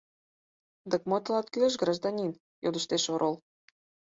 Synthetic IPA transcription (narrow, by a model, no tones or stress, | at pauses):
d̪əkmot̪əlɑt̪kyleʃɡrɑʒd̪ɑnʲin | jod̪əʃt̪eʃoɾʔolˠ